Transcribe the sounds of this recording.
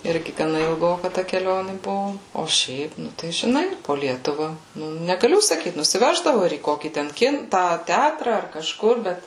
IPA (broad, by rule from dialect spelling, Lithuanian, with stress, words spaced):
ˈɪrʲɡʲɪ ɡɐˈnɐ ɪlˠˈɡoːkɐ tɐ kʲɛˈlʲoːnʲɪ ˈbʊʋʊ oː ˈʃʲɛɪp ˈnʊ tɐɪ ʒʲɪˈnɐɪ poː ˈlʲiɛtʊʋɐ nʲɛɡɐˈlʲʊ sɐˈkʲiːt nʊsʲɪˈʋʲæːʒdɐʋʊ ɪr iː ˈkoːkʲiː ˈtʲɛn ˈkʲɪn ˈtɑː ˈtʲætrɐ ɐr kɐˈʃkʊr ˈbʲɛt